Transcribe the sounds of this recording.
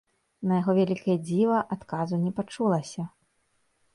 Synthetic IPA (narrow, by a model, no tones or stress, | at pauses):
nɐjaɣɔvʲalʲikɐjɐd͡zʲivɐʔat̪kazunʲɛpat͡ʂulˠɐsʲɐ